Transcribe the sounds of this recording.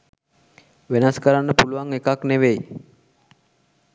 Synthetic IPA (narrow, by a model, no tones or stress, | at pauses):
ʋenaskəɾanːəpuluʋaŋekakneʋej